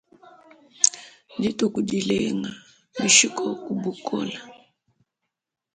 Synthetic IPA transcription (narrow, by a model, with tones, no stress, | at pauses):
di˦tɔ˨ku˨di˨lɛ˦ŋa˨ | di˨ʃi˦kɔ˦ku˨bu˨kɔ̰˦la˨